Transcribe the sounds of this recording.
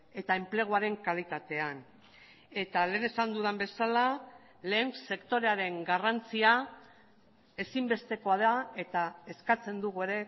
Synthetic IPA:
e̞t̪ae̞mple̞ɣ̞uaɾe̞ŋkalit̪at̪e̞an | e̞t̪ale̞ːne̞sand̪uðambe̞sala | leːŋse̞kt̪o̞ɾe̞aɾe̞ŋɡarant͡sia | e̞simbe̞st̪e̞ko̞aðae̞t̪ae̞skat͡se̞nd̪uɣ̞ue̞ɾe̞

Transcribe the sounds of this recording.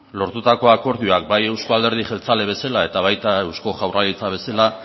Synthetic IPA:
lo̞ɾt̪ut̪ako̞ako̞ɾðioak̚baje̞wskoald̪e̞ɾð̞iʝe̞lt͡sale̞β̞e̞salae̞t̪aβ̞ajt̪ae̞wsko̞ʝawralit͡saβ̞e̞sela

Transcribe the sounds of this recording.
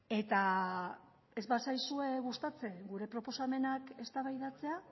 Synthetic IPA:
e̞t̪a | e̞zβasajsue̞ɣust̪at͡se̞ɡuɾe̞pɾo̞po̞same̞nake̞st̪aβajðat͡se̞a

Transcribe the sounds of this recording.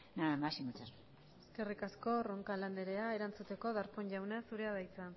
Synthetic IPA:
namasimat͡sas | e̞ske̞rikasko̞roŋkaland̪e̞ɾe̞aeɾant͡sut̪e̞ko̞ðaɾpoɲʝawnasuɾe̞aðajt͡san

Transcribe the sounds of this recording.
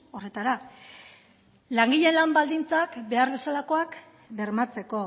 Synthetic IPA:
o̞re̞t̪aɾa | laŋɡiʎe̞nlambald̪int͡sakbe̞aɾð̞o̞salako̞ak | be̞ɾmat͡se̞ko̞

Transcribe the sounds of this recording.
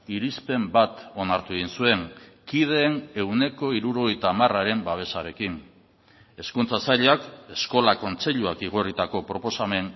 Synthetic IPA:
iɾispe̞mbat̪o̞naɾt̪uɣinsue̞ŋkið̞e̞ːne̞wne̞ko̞iɾuɾo̞ɣ̞ejt̪aːmaraɾe̞mbaβ̞e̞saɾe̞kin | e̞skunt͡sasaʎeake̞sko̞lako̞nt͡se̞ʎuakiɣ̞o̞rit̪ako̞pɾo̞po̞same̞n

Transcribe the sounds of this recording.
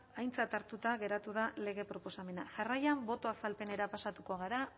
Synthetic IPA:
ajnt͡sat̪aɾt̪ut̪aɣe̞ɾat̪uð̞ale̞ɣ̞e̞pɾo̞po̞same̞naʝarajambo̞t̪o̞asalpe̞ne̞ɾapasat̪uko̞ɣ̞aɾa

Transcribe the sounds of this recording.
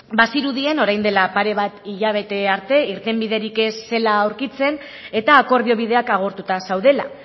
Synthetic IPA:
basiɾuðie̞no̞ɾajnd̪e̞lapaɾe̞βat̪iʎaβ̞e̞t̪e̞aɾt̪e̞iɾt̪e̞mbiðe̞ɾike̞sːe̞laːwɾkit͡se̞n | e̞t̪aːko̞ɾðio̞β̞ið̞e̞akaɣ̞o̞ɾt̪ut̪asawð̞e̞la̰

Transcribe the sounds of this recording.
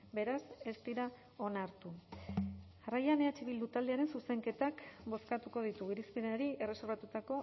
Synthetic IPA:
be̞ɾase̞st̪iɾa | o̞naɾt̪u | arajaneat͡ʃiβ̞ild̪ut̪ald̪eaɾe̞nsuse̞ŋke̞t̪akbo̞skat̪uko̞ð̞it̪uɣiɾispenaɾie̞re̞so̞ɾβat̪ut̪ako̞

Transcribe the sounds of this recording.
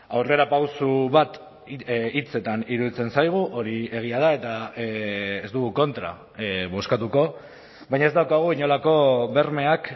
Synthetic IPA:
awre̞ɾapawsuβat̪ | it͡se̞t̪aniɾuðit͡se̞nsajɣ̞uʔo̞ɾie̞ɣ̞iað̞ae̞t̪a | esd̪uɣuko̞nt̪ɾa̰ | βo̞skat̪uko̞ | bajɲae̞zd̪awkaɣ̞uiɲo̞lako̞βe̞ɾme̞ak

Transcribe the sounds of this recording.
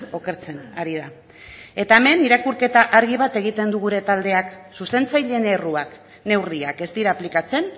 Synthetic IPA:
o̞ke̞ɾt͡se̞naɾiða | e̞t̪aeme̞niɾakuɾke̞t̪aʔaɾɣiβ̞at̪e̞ɣ̞it̪e̞nd̪uɣ̞uɾe̞t̪ald̪e̞aksuse̞nt͡sajʎe̞ne̞ruak | ne̞wriake̞st̪iɾaːplikat͡se̞n

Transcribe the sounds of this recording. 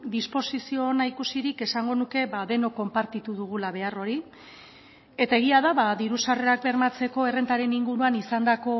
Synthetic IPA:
d̪ispo̞sisio̞naikusiɾike̞saŋɡo̞nuke̞βaðe̞no̞kːo̞mpaɾt̪it̪uðuɣ̞ulaβ̞e̞aro̞ɾi | e̞t̪ae̞ɣiaðaβaðiɾusare̞ak̚be̞ɾmat͡se̞ko̞e̞re̞nt̪aɾe̞niŋɡuɾuanisand̪ako̞

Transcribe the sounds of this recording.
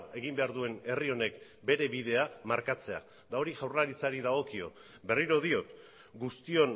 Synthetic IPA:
e̞ɣimbe̞aɾðue̞ne̞rio̞ne̞k | be̞ɾe̞βiðe̞amaɾkat͡se̞a̰ | d̪ao̞ɾiʝawraɾit͡saɾiðaɣ̞o̞kio̞̰ | be̞riɾo̞ð̞io̞t̪ | ɡust̪io̞n

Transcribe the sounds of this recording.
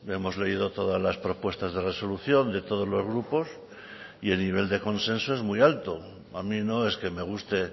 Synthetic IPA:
e̞mo̞zle̞ið̞o̞t̪o̞ð̞azlaspɾo̞pwe̞st̪azðereso̞luθjo̞nd̪e̞t̪o̞ð̞o̞zlo̞zɣ̞ɾupo̞s | ieniβ̞e̞ld̪e̞ko̞nsẽ̞nsoezmujalt̪o | amino̞e̞ske̞me̞ɣ̞ust̪e̞

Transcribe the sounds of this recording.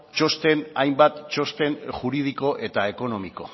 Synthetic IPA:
t͡ʃo̞st̪e̞najmbat̪t͡ʃo̞st̪e̞nʝuɾið̞iko̞ʔe̞t̪ae̞ko̞no̞miko̞̰

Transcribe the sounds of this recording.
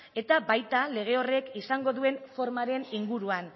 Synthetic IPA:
e̞t̪abajt̪ale̞ɣ̞e̞o̞re̞kisaŋɡo̞ðue̞nfo̞ɾmaɾe̞niŋɡuɾuan

